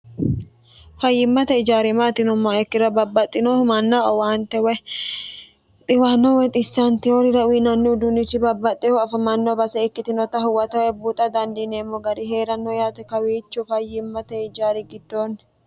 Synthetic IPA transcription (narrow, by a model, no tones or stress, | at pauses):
fɐjːɪmːɐt̪ɛɪd͡ʒaːɾɪmaːt̪ɪnʊmːaːɛkːɪɾɐbɐbːɐt̪ʼːɪnomɐnːaɔwaːnt̪ːɛwɛ | t̪ʼɪwanːɔwɛt̪ʼɪsːɐnt̪ɪoɾɪɾɐwiːnɐnːɪʊd̪ʊnɪt͡ʃːɪbɐbːɐt̪ʼːɛhɔɐfɐmɐnːɔbɐsɛɪkːɪt̪ɪnɔt̪ɐɦʊwɐt̪ɐwɛbut̪ʼɐd̪ɐnd̪ineːmːɔɡɐɾɪɦe̞ːɾɐnːɔjaːt̪ɛkɐwiːt͡ʃːʊfɐjːɪmːɐt̪ɛɪd͡ʒaːɾɪɡɪd̪ːoːnː